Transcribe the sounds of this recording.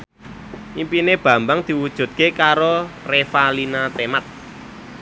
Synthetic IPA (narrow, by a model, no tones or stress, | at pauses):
ʔimpineb̥ä̤mbaŋd̪̥i̤wud̥ʒ̥ṳt̪̚kekaɾorefalinat̪emat̪̚